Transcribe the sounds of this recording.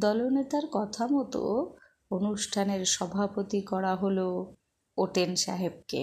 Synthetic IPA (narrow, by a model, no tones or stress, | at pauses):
d̪ɔlonet̪aɾkɔt̪ʰamɔt̪o̰ | onuʃʈʰaneɾʃɔbʱapot̪ikɔɽaɦolo | oʈenʃa̰ɦeb̚kḛ